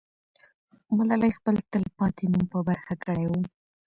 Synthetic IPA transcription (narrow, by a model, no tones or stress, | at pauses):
mʊlɑlajxpəlt̪əlpɑt̪enumpəbaɾxakəɽajwu